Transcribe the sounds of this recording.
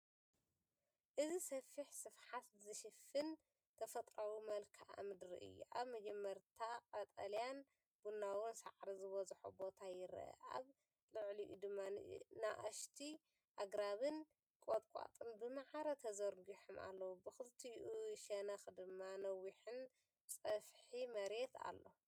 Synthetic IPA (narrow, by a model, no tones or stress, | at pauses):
ʔɨzisɐfiħsɨfħat̪zɨʃɨfɨn | t̪ʰɐfɐt̪ʼɾɐwumɐlkʰaʔa̰mɨd̪ɾḭʔɨ̰jːṵʔaβmɐd͡ʒɛmːɐɾt̪ʰaqʼɐt̪ʼɐljan | b̥unːawonsa̰ʕɾizɨβɐzħṵbo̞t̪ʰajɪɾʔɐ̰ʔa̰β | lɨʕliʔṵd̪ɨmːanɨ̰naʔɐʃt̪ʰi | ʔaɡɾaβɨn | kʼot̪ʼkʷʼa̰t̪ʼɨnbɨmaʕaɾɐt̪ʰɐzɐɾɡiħoma̰lːɐwubɨxɨlt̪ʰijʔuʃɐnɐxd̪ɨmːanɐwːiħɨn | sʼɐfħimɐɾe̞t̪ʰa̰lːo̞